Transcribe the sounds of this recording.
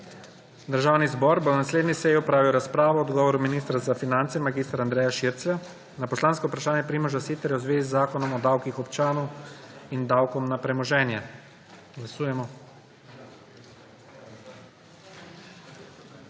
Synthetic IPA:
d̪əɾʒaːwnizbɔːɾbonasleːd̪nisɛjiɔpɾaːʋiwɾaspɾaːʋɔːd̪ɡɔːʋɔɾuminiːst̪ɾazafinant̪sɛmaɡiːst̪ɾand̪ɾɛːjaʃiɾt̪sʋɛ | napɔslaːnskɔupɾaʃaːnjɛpɾimɔʒasit̪ɛɾjɛwzʋeːzizːaːkɔnɔmɔd̪awkixɔpt͡ʃaːnɔwind̪awkɔmnapɾɛmɔʒɛːnja | ɡlasuːjɛmɔ

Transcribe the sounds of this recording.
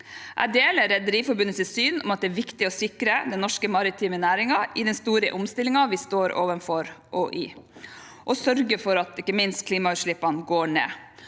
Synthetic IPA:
ʔæ̰ɖeːləɾɛd̪əɾiːfɔɾbʉnət̪ɪsyːnʔʊ̰mɑt̪̚d̪ɛæːʋɪkt̪ɪɔsɪkɾəd̪ɛnnɔʂkəmɑɾɪt̪ʰiːmənæːɾɪŋɑʔɪd̪ɛnst̪uːɾə̰ʔʊmst̪ɪlːɪŋɑʋɪst̪oːɾo̰ːʋənfɔɾʔoːʔɪ | ʔɔsœɾɡəfɔɾɑt̪ɪkːəmɪnst̪̚kʰliːmɑʉʂɭɪpːɑnɡoːɳḛː

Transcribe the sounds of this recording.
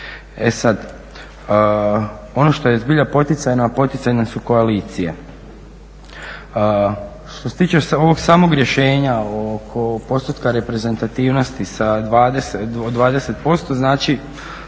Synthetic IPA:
esad̪ | o̞no̞ʃt̪o̞jezbiʎapo̞t̪it̪sajnapo̞t̪it̪sajnasuko̞aliːt̪sijḛ | ʃt̪oset̪iːt͡ʃeoʋo̞ɡsaːmo̞ɡɾje̞ʃe̞ːɲaokʰopo̞st̪ot̪kaɾe̞pɾe̞ze̞nt̪at̪iːʋno̞st̪isad̪ʋaːd̪eseod̪ʋaːd̪e̞se̞t̪̚po̞st̪o̞znaːt͡ʃi

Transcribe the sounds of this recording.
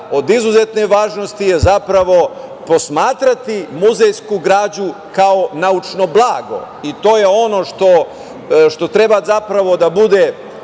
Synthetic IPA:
o̞d̪izuze̞t̪neʋaːʒnost̪ijezapɾaʋo̞po̞smaːt̪ɾat̪imuzejskuɡɾaːd͡ʑu | kao̞naut͡ʃno̞blˠaːɡo̞̰ | it̪o̞ːjeo̞no̞ʃt̪o | ʃt̪o̞t̪ɾe̞bazapɾaʋo̞d̪abud̪e

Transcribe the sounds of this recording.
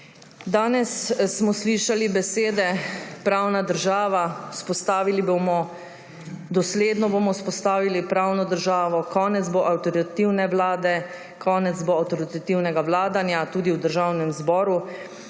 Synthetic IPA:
d̪aːnɛsːmɔsliʃalibɛseːd̪ɛpɾaːwnad̪əɾʒaːʋauspɔst̪aːʋilibomɔ | d̪ɔsleːd̪nɔbomɔwspɔst̪aːʋilipɾaːwnɔd̪əɾʒaːʋɔkɔːnɛd̪zboʔawt̪ɔɾiat̪iwnɛʋlaːd̪ɛ | kʰɔːnɛt̪zboawt̪ɔɾit̪at̪iwnɛɡaʋlaːd̪anjat̪uːd̪iwd̪əɾʒaːwnɛmzbɔːɾu

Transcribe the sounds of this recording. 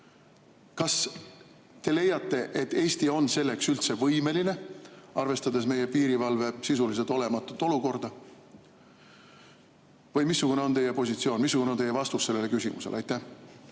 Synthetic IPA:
kɑs | t̪e̞le̞jːɑt̪ːe̞ʔe̞t̪ːe̞ːst̪io̞nse̞lːe̞ksylt̪se̞vɤjme̞line̞ɑrve̞st̪ɑd̪e̞sme̞je̞piːɾivɑlve̞sisulis̬e̞lt̪ˑo̞lemɑt̪ːˑut̪ːˑo̞luko̞rd̪̥ɑ | vɤjmisːukune̞ot̪e̞je̞po̞sit̪sio̞ːnmisːukunet̪ejevɑst̪usːe̞lːe̞lkysʲimṵselʔɑjt̪ːæ

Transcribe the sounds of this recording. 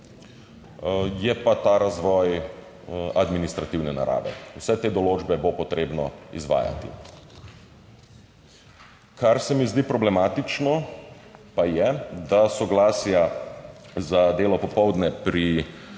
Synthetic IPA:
jɛpat̪aɾazʋɔːj | ad̪minist̪ɾat̪iwnɛna̰ɾa̰ːʋɛ̰wsɛt̪eːd̪ɔloːd͡ʒbɛbopɔt̪ɾeːbnɔḭzʋa̰ːja̰t̪ḭ | kaɾsɛmizd̪iːpɾɔblɛmaːt̪it͡ʃnɔ | pajɛd̪asɔɡlaːsja | zad̪eːlɔpɔpɔwd̪nɛpɾi

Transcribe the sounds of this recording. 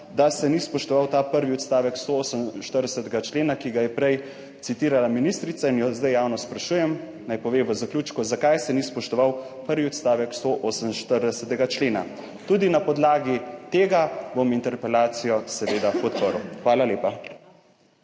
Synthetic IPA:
d̪asɛnispɔʃt̪ɔʋawt̪aːpəɾʋiɔt̪st̪aːʋɛkst̪ooːsəmnʃt̪əɾd̪ɛsɛt̪ɛɡat͡ʃleːnakiɡajɛpɾɛj | t̪sit̪iːɾalaminist̪ɾit̪sainjɔzd̪ajawnɔspɾaʃuːjɛm | najpɔʋeːʋəzaklʲjuːt͡ʃkuzakajsɛnispɔʃt̪ɔʋaw | pəɾʋiɔt̪st̪aːʋɛkst̪oʔoːsəmnʃt̪əɾd̪ɛsɛt̪ɛɡat͡ʃleːna̰ | t̪ud̪inapɔd̪laːɡit̪eːɡabomint̪ɛɾpɛlaːt̪sijɔsɛʋeːd̪apɔt̪pəɾuxʋaːlaleːpa

